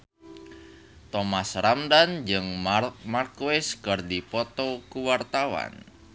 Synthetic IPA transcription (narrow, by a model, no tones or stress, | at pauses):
t̪ɔmasramdand͡ʒɨŋmarkuɪskərdipɔt̪ɔkuwart̪awa̰n